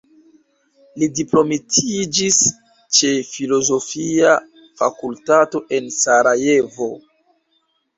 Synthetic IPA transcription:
lidiplo̞mitʰid͡ʒis | t͡ʃe̞filo̞zo̞fia | fa̰kultato̞ʔe̞nsaɾaje̞vo̞

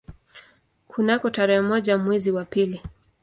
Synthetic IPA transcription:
kʰunakɔtaɾɛhɛmɔʄamwɛziwapili

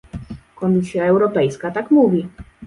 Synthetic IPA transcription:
kɔmʲisʲjaɛwɾɔpɛjskat̪akmuvʲi

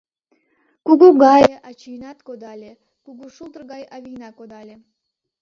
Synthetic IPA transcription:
kuɡuɡɑjɑt͡ɕijnɑt̪kod̪ɑlʲe | kuɡuʃulˠt̪ərɡɑjɑβijnɑkod̪ɑlʲe

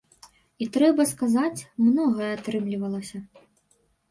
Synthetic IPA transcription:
it̪ɾɛbɐskazat͡sʲmnɔɣɐjɛat̪ɾɨmlʲivɐlˠɐsʲɐ

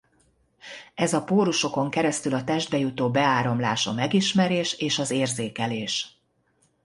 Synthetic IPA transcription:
ɛzɒpoːɾuʃo̞ko̞ŋkɛɾɛst̪ylɒt̪ɛʒd̪̚bɛjut̪oːbɛaːɾo̞mlaːʃɒ̰mɛɡiʃmɛɾeːʃeːʃɒzeːrzeːkɛleːʃ

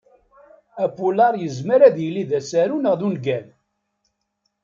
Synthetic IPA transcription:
æpulɑɾˤjəzməɾæðjəlːiðæsæɾunəʁðunɡæn

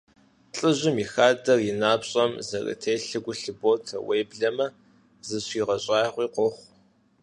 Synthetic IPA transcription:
ɬʼɨʑɪmixaːdɐrjɪnaːpɕʼɐmzɐrɨ̰tʰeːjɬɨɡʷʊɬɨbotʰɐ̰weːbɮɐmɐ | zɨɕiːʁɐɕʼɑːjʁʷiːqʷɔχʷ

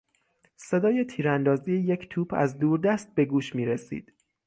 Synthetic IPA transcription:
se̞d̪ɒːjet̪ʰiːɾænd̪ɒːzijejecʰt̪ʰuːpʰæ̰zd̪uːɾd̪æst̪̚be̞ɡuːʃmiːɾesḭːd̪̥

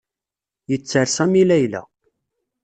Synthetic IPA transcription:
jət͡sːəɾsæmilæjlæ̰

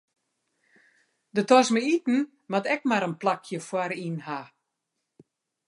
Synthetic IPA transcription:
dətɔsməitn̩ | matɛk̚maɾənplakʰjəfwaɾinha

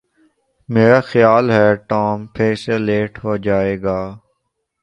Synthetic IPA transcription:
meːɾaːxjaːlɦɛːʈɔːmpʰeːseleːʈɦoːd͡ʒaːeːɡaː

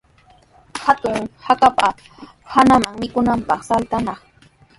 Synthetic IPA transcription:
hat̪ʊŋhakapa | hanamaŋmɪkʊnampɑχsalt̪anɑχ

